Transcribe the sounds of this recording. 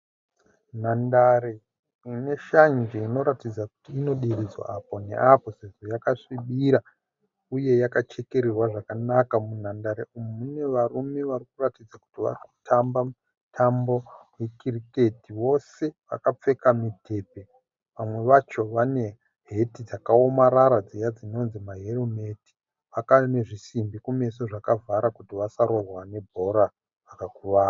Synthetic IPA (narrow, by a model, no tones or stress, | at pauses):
n̤andaɾe | ine̞ʃand͡ʒeino̞ɾatid͡zaku̥tiːno̞ɗirid͡zwa̰apo̞ne̞̰apo̞se̞ʐo̞jakaʂiɓiɾa | uje̞jakat͡ʃe̞ke̞ɾerwaʐakanakamun̤andaɾeumumune̞ʋarume̞ʋarikuratid͡zaku̥tiʋa̰riku̥tʰamba | tʰambo̞jekirike̞tiʋo̞se̞ʋa̰kap͡fe̞kamitʰe̞ːpe̞ | ʋamwe̞ʋat͡ʃo̞ʋane̞ | ɦe̞tid͡zakaomaɾaɾad͡zijad͡zino̞nzimaɦerome̞ti̥ | ʋakane̞ʐisimbikume̞soʐakavaɾakutiʋasaɾo̞rwane̞bʱo̞ɾa | ʋakakuʋaːa